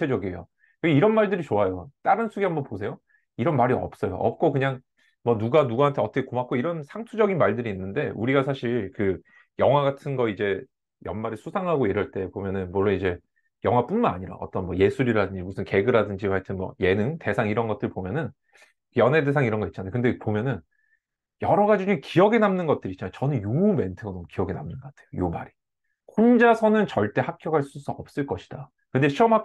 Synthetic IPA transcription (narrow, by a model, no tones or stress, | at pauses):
ed͡ʑʌɡiejo̰ | kɯeiɾʌnmaɭdɯɾit͡ɕoajot͈aɾɯnsʰuɡiɦambʌnpos̬ʰe̞jo | iɾʌnmaɾiʌ̰p̚s͈ʌjo̰ʔʌ̰p̚k͈okɯɲaŋ | mʌnuɡanuɡaɦantʰe̞ʌt͈ʰʌkʰekomak͈oiɾʌnsʰaŋtʰud͡ʑʌɡinmaɭdɯɾiːnːɯnde̞uɾiɡasʰaɕʰiɭkɯ | jʌŋɦwaɡatʰɯnɡʌid͡ʑe̞ | jʌnmaɾɯɭsʰusʰaŋɦaɡojeɾaɭt͈e̞pomjʌnɯnmuɭːonid͡ʑe̞ | jʌŋwap͈unmanaɲiɾa̰ʌt͈ʌnmʌje̞sʰuɾiɾadɯɲd͡ʑimusʰɯnke̞ɡɯɾadɯnd͡ʑimaɭtʰɯnmwʌ̰je̞nɯŋte̞sʰaŋiɾʌnɡʌt͈̚ɯɭpomjʌnɯn | jʌnɦe̞desʰaŋiɾʌnɡʌitt͡ɕ͈anajokɯndepomjʌnɯn | jʌɾʌɡad͡ʑid͡ʑikijʌɡe̞namnɯnɡʌt̚t͈ɯɾit̚t͡ɕanajot͡ɕʌnɯnjume̞ntʰɯɡanomkijʌɡenamnɯnɡʌk͈atʰe̞jojomaɾi | kond͡ʑasʰʌnɯnt͡ɕʌɭt͈e̞hakʰjʌɡaɭs͈us͈uʌp̚s͈ɯɭk͈ʌɕʰi̥d̥a | kɯnde̞ɕʰiʌmɦa